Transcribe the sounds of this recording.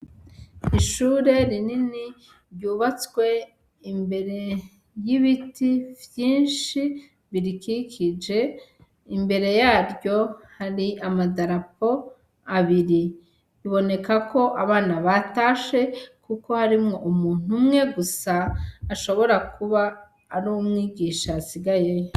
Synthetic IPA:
iʃuːɾe̞ɾinini | ɾjuːβat͡swe̞ | imbe̞ɾe̞ | jiβitivjiːnʃi | βiɾikikʰid͡ʒe̞ | imbe̞ɾe̞jaːɾɟo̞haɾiamadaɾap̚o̞ | aβiɾi | iβo̞ne̞kakʰo̞ʔaβaːnaβataːʃe̞kuko̞haɾimŋo̞ʔumuːn̥umŋe̞ɡusaːʃo̞βo̞ɾakʰuβaː | ɾumŋiːɡiʃasiɡajej

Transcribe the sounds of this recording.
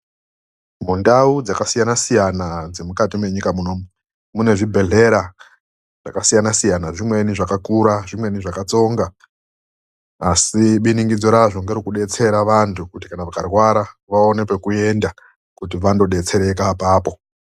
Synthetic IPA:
mundaud͡zakasijanasijanad͡zemukatimwe̞ɲikamunomu | mune̞ʐibʱe̞ɮe̞ɾa | ʐ̥a̰kasijanasijanaʐimwe̞niʐakakuɾaʐimwe̞niʐakat͡so̞ŋɡa | siɓiniŋɡid͡zoɾaʐoŋɡeɾikuɗe̞t͡se̞ɾaʋantʰukuti̥kanaʋakarwaɾaʋaone̞pe̞kue̞nda | kut̬iʋando̞ɗe̞t͡se̞ɾe̞kapaːpo̞

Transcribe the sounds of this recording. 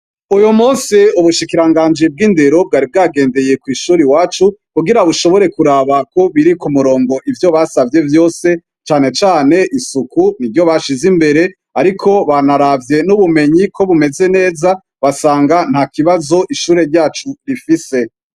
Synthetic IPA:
ujomuːnsiuβuʃikiɾaŋɡaːɲd͡ʒib̚ɡiːndeɾo̞b̚ɡaːɾib̚ɡaːɡe̞ːnde̞je̞kwiːʃuːɾiwaːt͡ʃukuɡiɾaβuʃo̞βo̞ɾe̞kuɾaːβako̞βiɾikumuɾo̞ːŋɡo̞ʔivjo̞βasavje̞vjo̞ːse̞ | t͡ʃaːne̞t͡ʃaːne̞ʔisukunivjo̞βaʃizimbe̞ɾe̞ | aɾikʰo̞βanaɾavje̞nuβume̞ɲikʰo̞βume̞ze̞ne̞ːza | βasaːŋɡan̥hakiβazo̞ʔiʃuːɾe̞ɾɟaːt͡ʃuɾifise̞

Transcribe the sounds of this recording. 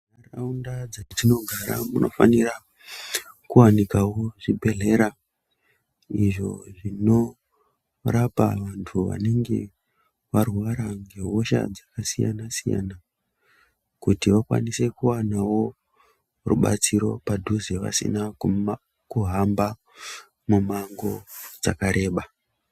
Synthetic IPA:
araundad͡zatino̞ɡʱaɾa̰muno̞fanira | kuwanikawo̞ʐibʱe̞ɮe̞ɾa | iʐo̞̰ʐino̞ | rapa̰ʋantʰuʋa̰ne̞ŋɡe̞̰ | ʋarwaɾaŋɡe̞ɦo̞ʃa̰d͡zakasija̰nasija̰na | kutiʋakwa̰nise̞kuwanawo̞ | rṵɓa̰t͡siɾo̞padʱuzeʋa̰sḭna | kuɦamba | mumaŋɡo̞d͡zakaɾe̞ːɓa

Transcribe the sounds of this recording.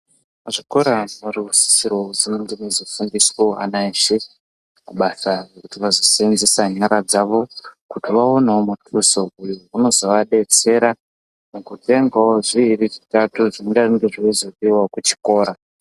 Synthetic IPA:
ʐiko̞ɾamuriusi̥sirouzineŋɡenezofundiswoa̰naiʃe | kuɓasarekutiʋazosenzesaɲaɾad͡zaʋo̞kutiʋao̞naomutʰusoujouno̞zo̞ʋaɗe̞t͡se̞ɾa | mukute̞ŋɡaoʐiːɾiʐitatuʐineŋɡariŋɡeʐiizoɗiwakut͡ʃi̥ko̞ːɾa

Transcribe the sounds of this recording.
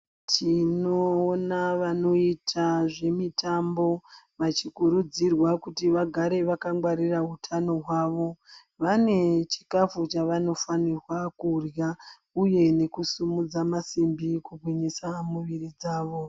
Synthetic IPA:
tʰinoːnaʋano̞itʰaʐe̞mitʰambo̞ | ʋat͡ʃikuɾud͡zirwakutiʋaɡʱaɾe̞ʋakaŋɡwaɾiraɦutʰano̞ɦwaːʋo̞ | ʋane̞t͡ʃi̥kafut͡ʃaʋano̞fanirwakurja | uje̞ne̞kusumud͡zamasimbikubwiɲisamuʋirid͡zaːʋo̞

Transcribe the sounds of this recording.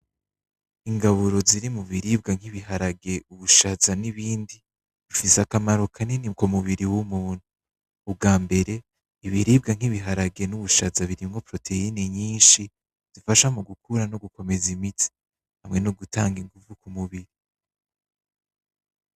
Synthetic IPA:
iŋɡaβuɾo̞ziɾimuβiɾib̚ɡaŋ̥iβiɦaɾaɡe̞uβuʃazaniβiːndi | βufisakamaɾo̞kʰaniniɡomuβiɾiwumuːn̥uː | b̚ɡaːmbe̞ɾe̞ | iβiɾiːb̚ɡaŋ̥iβiɦaɾaɡe̞nuβuʃazaβiɾimŋo̞pɾo̞tʰe̞iniɲiːnʃi | z̥ifaʃamoɡukʰuɾano̞ɡuko̞me̞zimitʰi̥ | hamŋe̞no̞ɡutaːŋɡiŋɡuvukumuβiɾi

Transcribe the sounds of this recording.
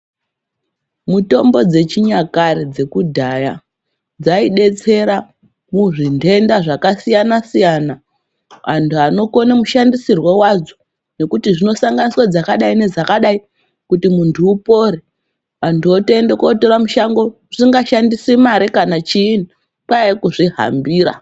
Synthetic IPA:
muto̞mbo̞d͡ze̞t͡ʃiɲakaɾed͡ze̞kudʱaja | d͡zaiɗe̞t͡se̞ɾa | muʐindʱe̞ndaʐakasijanasijana | ʋantʰuano̞ko̞nemuʃandisirwawad͡zo | ne̞kutiʐino̞saŋɡaniswad͡zakaɗaine̞d͡zakaɗai | kutimuntʰuːpo̞ɾe | ʋantʰuotoendekoto̞ɾamuʃaŋɡo̞ | ʐiŋɡaʃandisemaɾekanat͡ʃiːn | pwaekuʐiɦa̰mbiːɾa̰

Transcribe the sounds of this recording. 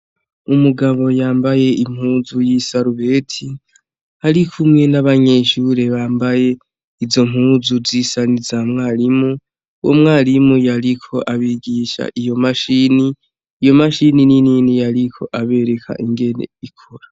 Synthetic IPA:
umuɡaβo̞jaːmbaje̞im̥huːzujisaɾuβe̞ːtʰi | haɾikʰumŋe̞naβaɲe̞ʃuɾeβaːmbaje̞ | izo̞m̥huːzuzisanizaːmŋaːɾimu | wʔo̰mŋaːlimujaɾikʰo̞ʔaβiɡiːʃa̰ʔijo̞maʃiniː | jo̞maʃininininijaɾikʰo̞ʔaβe̞ɾe̞kʰa̰ʔiŋɡe̞ne̞̰ikʰuɾa

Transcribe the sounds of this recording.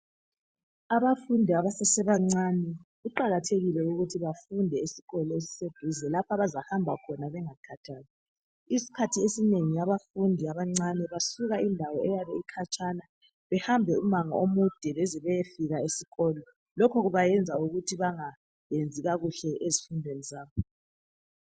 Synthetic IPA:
aβafundʱiaβasɛsɛβaŋ͡ǀanɛɣuǃaɣatʰeɣilɛuɣutʰiβafundʱɛisi̥ɣɔlɔesi̥seɡ̥ʱizɛlapʰaβazahambʱakʰɔnaβɛŋakʰatʰaːna | isi̥kʰatʰiesineŋijaβafundʱiaβaŋ͡ǀanɛβasuɣaindʱawɔɛjaβɛikʰat͡ʃʰʼana | βɛhambʱɛumaŋɔ̰omud̥ʱɛβɛzɛβɛjefiɣaesiɣɔːlɔ | lɔkʰɔɣuβajɛnd͡zʱauɣutʰiβaŋa | jend͡zʱiɣaɣuɬɛʔezifundʱwenizaːβɔ

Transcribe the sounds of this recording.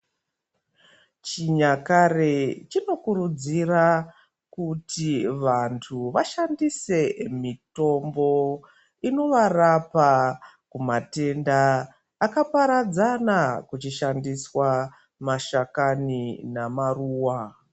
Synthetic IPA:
t͡ʃiɲakaret͡ʃino̞kuɾud͡zira | kutiʋantʰuʋaʃandise̞mito̞mbo̞ | ino̞ʋarapa | kumate̞ndaː | kapaɾad͡zanakut͡ʃiʃandiswa | maʃakaninamaruːwa

